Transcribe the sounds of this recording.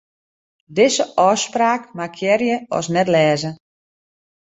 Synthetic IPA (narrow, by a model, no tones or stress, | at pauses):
dɪsəʔɔspraːkmakʰjɛrjəɔ̰snɛtlɛːzə